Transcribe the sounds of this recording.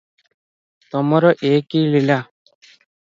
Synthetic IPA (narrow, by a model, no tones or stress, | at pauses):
t̪ɔmaɾɔʔeːkilila